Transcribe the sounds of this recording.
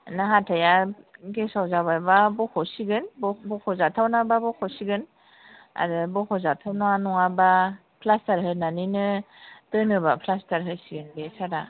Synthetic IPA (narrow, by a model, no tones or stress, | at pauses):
naɦatʰajaɡesawzabajbabɔkʰɔsiɡɯnbbɔkʰɔzatʰawnababɔkʰɔsiɡɯn | a̰ɾɯbɔkʰɔzatʰawnɔwanɔŋaba | pʰlastaɾɦɯnaninɯ | tɯnɯbapʰlastaɾɦɯsiɡɯnbesaɾa